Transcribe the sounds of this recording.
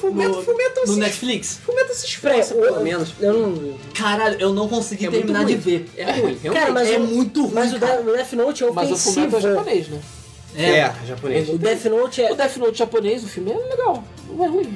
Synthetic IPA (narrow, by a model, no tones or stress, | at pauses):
fumẽfumẽt̪ɐ̃nʊnɛt͡ʃfliksfumẽt̪ɐsĩʃpɾɛsmẽnʊʃewnɐ̃w̃ | kaɾaʎʊʔewnɐ̃w̃kõsiɡieɾminad͡ʒɪveɛɛũeawkaɾɐ̃mɐzɛmũj̃t̪ʊhumzʊd̪ɛʊd̪ɛfinowt͡ʃɪɛwmɐzẽɐfsumĩt̪ʒvaponejʃnɛ | ɛɛʒaponeʃʊd̪ɛfinowt͡ʃɛʊd̪ɛfinowt͡ʃʒaponejzʊfiwmiɛleɡaw | ɛɦuĩ